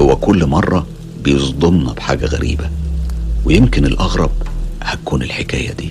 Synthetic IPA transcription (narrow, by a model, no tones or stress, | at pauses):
howːækʊlːmɑrˤːɑ | bejezˤd̪ˤonːɑb̥ħa̰ːɡæɣæ̰ɾʔḭːbæ | wejemkɪnelʔɑɣɾˤɑb̚hækuːnelħekæ̰ːjæd̪iː